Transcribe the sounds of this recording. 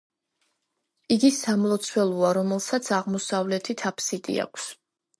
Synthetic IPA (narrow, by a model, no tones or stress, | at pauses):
iɡisamlˠɔt̪sʰwɛlˠuaɾɔmɛlˠsat̪sʰaʁmɔsavlɛt̪ʰit̪ʰapʰsit̪ʼḭa̰kʷʰs